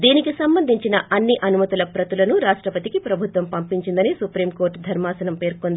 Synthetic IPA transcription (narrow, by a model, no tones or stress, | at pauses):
d̪iːnikisɐmbɐnd̪ʱiɲt͡ʃinɐʔɐnːiʔɐnumɐt̪ulɐpɾɐt̪ulɐnuɾaːʂʈɾɐpɐt̪ikipɾɐbʱut̪ʋɐmpɐmpiɲt͡ʃind̪ɐnisupɾiːmko̞ːɾʈd̪ʱɐɾmaːsɐnɐmpe̞ːɾkond̪